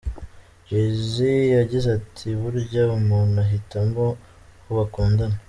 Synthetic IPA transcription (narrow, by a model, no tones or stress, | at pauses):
ezijaɟizatʰiβuɾɟaumuːnaɦitambo | huβakuːndana